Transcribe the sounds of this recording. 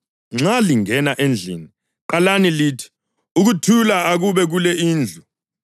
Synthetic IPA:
ŋ͡ǁaliŋɛnaʔend͡ɮʱḭni | ǃalaniliːtʰi̥ | uk̬utʰulaak̬uɓɛk̬ulɛiːnd͡ɮʱu

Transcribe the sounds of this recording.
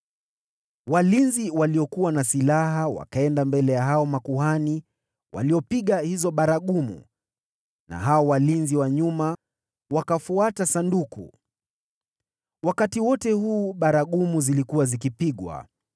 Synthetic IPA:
walinziwaliɔkuwanasilaɦawa̰kaɛndambɛlɛjaɦaɔmakuɦani | wʔa̰liɔpiɠahizɔɓaɾaɠumṵ | na̰ɦaɔwalinziwaɲuma | wakafuatasandukṵ | wakatiwɔtɛhuːɓaɾaɠumuzilikuwazikipiɠwa̰

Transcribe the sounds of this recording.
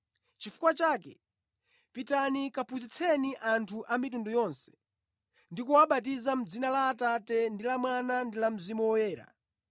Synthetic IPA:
t͡ʃifu̥kwat͡ʃaːkɛ̰ | pitanikapʰuzit͡sʰɛniʔantʰuʔamitundujɔnsɛ̥ | ndikuwaɓat̬izam̩d͡zinalaːtatɛndilamwanandilam̩zimuwɔjɛːɾa̰

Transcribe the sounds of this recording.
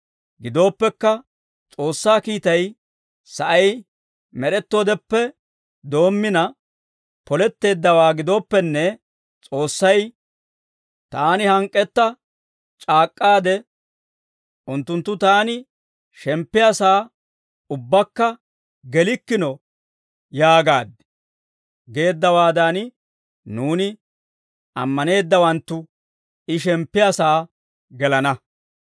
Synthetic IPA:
ɡɪd̪o̞ːpːɛkːɐ | t͡sʼo̞ːsːaːkiːt̪ɐj | sɐʔɐj | mɛɾɛt̪ːo̞ːd̪ɛpːɛ | d̪o̞ːmːɪnɐ | pɔlɛt̪ːe̞ːd̪ːɐwaːɡɪd̪o̞ːpːɛnːɛ | t͡sʼo̞ːsːɐj | t̪aːnɪhɐŋkʼːɛt̪ːɐ | t͡ʃʼaːkʼːaːd̪ɛ | ʔʊnt̪ːʊnt̪ːʊt̪aːnɪ | ʃɛmpːɪjasaː | ʊbːɐkːɐ | ɡɛlɪkːɪnɔ | jaːɡaːd̪ɛ̥ | ɡe̞ːd̪ːɐwaːd̪an | nuːnɪ | ɐ̰mːɐne̞ːd̪ːɐwɐnt̪ːʊ | ʔɪʃɛmpːɪjasaː | ɡɛlɐnɐ

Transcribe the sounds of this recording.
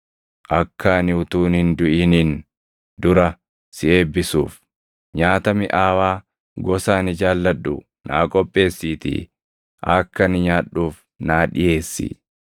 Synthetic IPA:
ʔɐkːaːnɪʊt̪uːnhɪnd̪ʊʔɪnin | d̪ʊɾɐ | sɪeːbːɪsuːf | ɲaːt̪ɐmɪʔaːwaː | ɡɔsaːnɪd͡ʒaːlːɐɗːʊ | nʔa̰ːkʼɔpʼːe̞ːsːiːt̪ɪ̰ | ʔɐkːɐnɪɲaːᶑːuːf | naːᶑɪje̞ːsːɪ̰

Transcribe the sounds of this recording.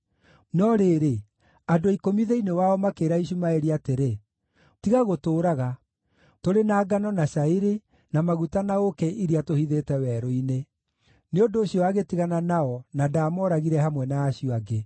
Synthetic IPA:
nɔɾeːɾe | adoikomiðeinewaɔmakeːɾaiɕ̬umaeɾiateɾe | tiɣaɣotoːɾaɣa | toɾenaːɡanɔnaɕaiɾe | namaɣutanaokɛʔiɾiatohiðetɛwɛɾoine | neondoːɕjɔaɣetiɣananaɔnadaːmɔɾaɣiɾɛhamwɛnaːɕijɔaɡe

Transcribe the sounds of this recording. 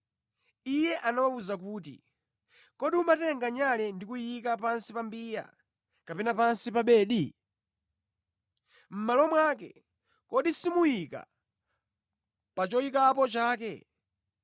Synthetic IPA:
ijɛʔanawauzak̬uːt̬ḭ | kɔɗiumatɛŋɡaɲalɛndikujikapansipambiːja̰ | kapɛnapansipaɓɛːɗi | m̩malɔmwaːkɛ̰ | kɔɗisimujika̰ | pat͡ʃɔjikapɔt͡ʃaːkɛ̰

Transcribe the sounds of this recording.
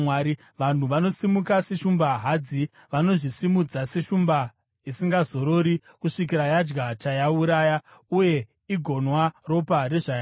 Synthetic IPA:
waɾi | ʋan̤uʋano̞simukase̞ʃumbaɦad͡zi | ʋano̞ʐisimud͡zase̞ʃumba | isiŋɡazo̞ɾo̞ːɾi | kuʂik̬iɾajad͡ʒɡatajauɾaːjauje̞ | iɡʱo̞nwaro̞pare̞ʐaa

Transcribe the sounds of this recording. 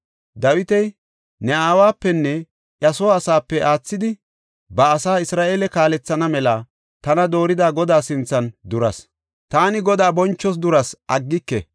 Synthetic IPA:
d̪ɐwɪt̪ɛj | nɛaːwaːpːɛnːɛ | ʔjɐsoːɐsaːpːɛʔaːt͡sːɪd̪ɪ | bɐːsaːɪsɾaːʔeːlɛkaːlɛt͡sːɐnɐmɛlɐ | t̪ɐnɐd̪o̞ːɾɪd̪aːɡɔd̪aːsɪnt͡sːɐnd̪ʊɾɐs | t̪aːnɪɡɔd̪aːbɔnt͡ʃːɔs̬d̪ʊɾɐsʔɐɡːɪkːɛ̰

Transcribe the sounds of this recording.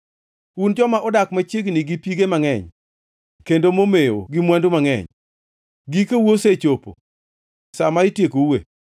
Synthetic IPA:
und͡ʒɔmaʔʊdakmat͡ʃeɡniɡipiɡemaŋɛ̰ɲ | kendomomejo̰ɡimwandomaŋɛ̰ɲ | ɡikewoset͡ʃopo̰ | samaɪtjekoḛ

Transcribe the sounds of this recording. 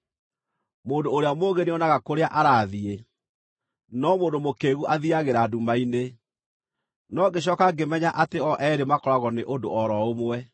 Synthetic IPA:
moːndoːɾeamoɣeneɔnaɣakoɾeaʔaɾaːðie | nɔmoːndomokeɣuʔaðiaɣeɾaːdumaine | nɔɡeɕ̬ɔːkaɡemɛɲaʔateɔʔɛɾemakɔɾaɣɔneʔondo̰ɔɾɔomwɛ

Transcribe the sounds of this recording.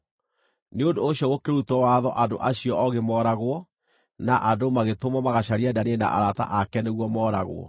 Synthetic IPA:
neondoːɕjɔɣokeɾutɔwaðɔ̰ʔado̰ʔaɕiɔɔɣemɔːɾaɣwɔ | naʔadomaɣetomɔmaɣaɕaɾeɛdaneena̰ʔa̰ɾata̰ʔakɛneɣwɔmɔːɾa̰ɣo̰ɔ̰

